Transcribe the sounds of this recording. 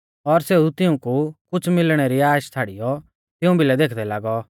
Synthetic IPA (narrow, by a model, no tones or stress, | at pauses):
ɔɾseːut̪ɪũkukʊt͡sʰmɪlɽ̃eɾiaːʃt͡sʰaːɽijɔ | t̪ɪũbʱilɛd̪eːkʰd̪ɛlaːɡɔ